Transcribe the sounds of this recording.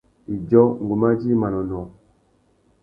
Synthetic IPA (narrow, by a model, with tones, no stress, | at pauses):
i˨d͡ʒɔ˦ŋ˨ɡu˨ma˦d͡ʒi˦ma˨nɔ˨nɔ˨